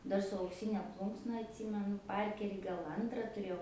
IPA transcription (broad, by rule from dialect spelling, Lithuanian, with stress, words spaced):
ˈdɐr sʊ ɐʊkˈsʲiːnʲɛ ˈplˠuːŋksnɐ ɐtʲˈsʲiːmʲɛnʊ ˈpɐrʲkʲɛrʲiː ɡɐlˠ ˈɐntrɐ tʊˈrʲeːjɛʊ